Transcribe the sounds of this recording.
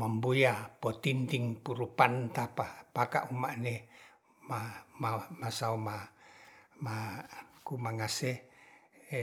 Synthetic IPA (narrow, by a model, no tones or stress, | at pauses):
mambujapot̪int̪iŋpuɾupant̪apapaka̰ʔumaʔne | mamamasauma | makumaŋase